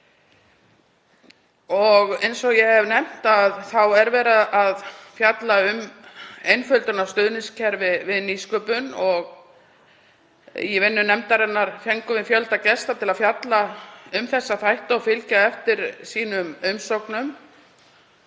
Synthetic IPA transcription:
ɔɣejnsɔɣjɛhɛvnɛm̥t̪aðθawɛɾvɛːɾaðaðfjat̪laʏmejnfœlt̪ʏnawst̪ʏðnɪnscʰɛɾvɪvɪðniskœpʏnɔɣ | jɛvɪnːʏnɛmt̪aɾɛnːaɾ̥fjɛŋkʏvɪnfjœlt̪acɛst̪at̪ʰɪlaðfjat̪laʏmθɛsːaθajht̪aɔfɪlcaɛft̪ɪɾ̥siːnʏmʏmsowknʏm

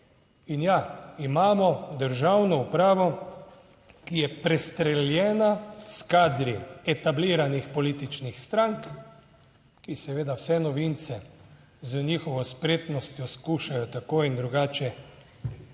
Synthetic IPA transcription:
injaimaːmɔd̪əɾʒawnɔupɾaːʋɔ | kijɛpɾɛst̪ɾɛljɛːnaskaːd̪ɾiɛt̪abliːɾanixpɔliːt̪it͡ʃnixst̪ɾaŋk | kisɛʋeːd̪awsɛnɔʋint̪sɛ | zənixɔʋɔspɾeːt̪nɔst̪jɔskuːʃajɔt̪akojind̪ɾuɡaːt͡ʃɛ

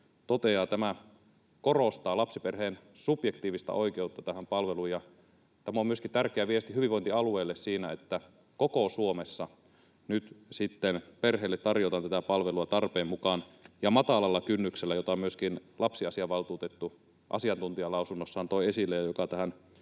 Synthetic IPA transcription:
t̪ot̪eɑːt̪æmæ | korost̪ɑːlɑpsiperheːnsupjekt̪iːʋist̪ɑ̰ʔoikeut̪ːɑt̪æhæmpɑlʋeluːjɑ | t̪æmomyøskit̪ærkˑeæʋiest̪ihyʋiʋoint̪iɑlueːlːessiːnæet̪ːæ | kokosuomesːɑ | nyt̪sit̪ːenperɦeːlːet̪ːɑrjot̪ɑnt̪æt̪æpɑlʋeluɑt̪ɑrpeːmmukɑːnjɑmɑt̪ɑlɑlːɑkynːykselːæjot̪ɑmyøskinlʔɑpsiɑsiɑʋɑlt̪uːt̪et̪ːu | ʔɑ̰siɑnt̪unt̪iɑlɑusunːosːɑːnt̪oiesilːejɑjokɑt̪æhæn

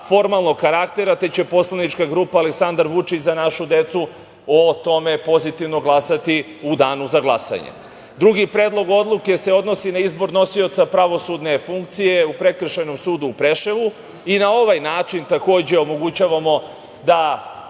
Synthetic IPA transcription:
fo̞ɾmalˠno̞ɡkaɾakt̪e̞ɾat̪e̞t͡ɕe̞po̞slanit͡ʃkaɡɾuːpaːle̞ksand̪aɾʋut͡ʂit͡ɕzanaʃud̪e̞t̪su | ot̪o̞me̞po̞zit̪iʋno̞ɡlˠasat̪i | ud̪aːnuzaɡlˠasa̰ɲḛ | d̪ɾuɡipɾe̞ːd̪lˠo̞ɡo̞d̪lˠuke̞se̞o̞d̪no̞sinaizbo̞ɾnosiot̪sapɾaʋo̞sud̪ne̞fuŋkt̪sije̞upɾe̞kr̩ʃano̞msuːd̪uːpɾe̞ʃeʋu | inao̞ʋajnaːt͡ʃint̪ako̞ːd͡ʑe̞o̞mo̞ɡut͡ɕaʋamo̞ | d̪a

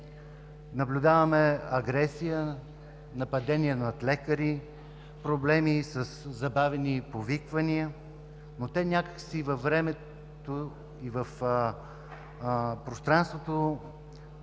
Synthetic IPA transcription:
nɐblʲud̪avəmɛɐɡɾɛsijə | nɐpɐd̪ɛnʲiənɐt̪lɛkəɾi | pɾoblɛmisəszɐbavɛnipovikvɐniə | not̪ɛnʲakə̥ksivɐvːɾɛmɛ | t̪o | ivəf | pɾost̪ɾanst̪vot̪o

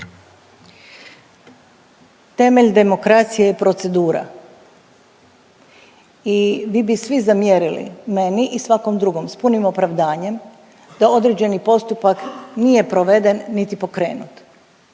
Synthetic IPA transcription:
t̪e̞me̞ʎd̪e̞mo̞kɾat̪sijejepɾo̞t̪se̞d̪uːɾa̰ | iʋibisʋizamjeɾilḭme̞niʔisʋako̞md̪ɾuɡo̞mspunimo̞pɾaʋd̪aːɲe̞m | d̪̥ao̞d̪ɾe̞d͡ʑe̞nipo̞st̪upaknije̞pɾoʋe̞d̪e̞nːit̪ipo̞kɾe̞̰ːnut̪

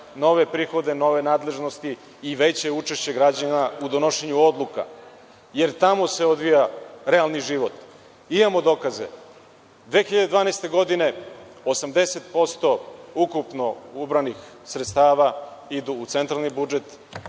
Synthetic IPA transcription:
no̞ʋe̞pɾiːxo̞d̪eno̞ʋe̞naːd̪le̞ʒnost̪iː | ʋe̞t͡ɕeut͡ʃeʃt͡ɕe̞ɡɾad͡ʑanaud̪ono̞ʃeɲuo̞d̪lˠuka̰ | je̞ɾt̪amose̞o̞d̪ʋijaɾealˠniʒiʋo̞t̪ | imamo̞d̪o̞kazḛ | d̪ʋe̞xiʎad̪ed̪ʋaːnaejst̪e̞ɡo̞d̪ine̞osamd̪e̞set̪po̞st̪o̞ukupno̞ubɾanixsɾet̪st̪aːʋaid̪uːt̪se̞nt̪ɾalnibud͡ʒe̞t̪

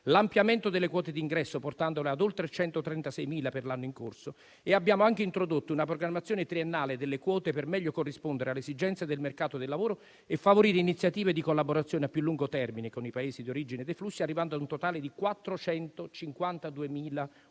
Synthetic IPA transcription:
lampjament̪od̪elːekwɔːt̪ed̪iŋɡɾɛsːoport̪and̪olead̪olt̪ɾet͡ʃɛnt̪ot̪ɾɛnt̪asɛjmiːlaperlanːoiŋko̰rso | eabːjaːmoaŋkeint̪ɾod̪ot̪ːounap̬ɾoɡɾamːat̪sjoːnet̪ɾienːaːled̪elːekwɔːt̪epermɛʎːokorːispond̪eɾealːesid͡ʒɛnt̪sed̪elmerkaːt̪od̪elːavoːɾo | ɛfːavoɾiːɾeinit̪sjat̪iːved̪ikolːaboɾat̪sjoːneapːjulːuŋɡot̪ɛrminekonipaeːsid̪ioɾid͡ʒined̪eflusːiarːivand̪oad̪unt̪ot̪aːled̪ikwat̪ːɾot͡ʃɛnt̪ot͡ʃiŋkwant̪ad̪uemiːla

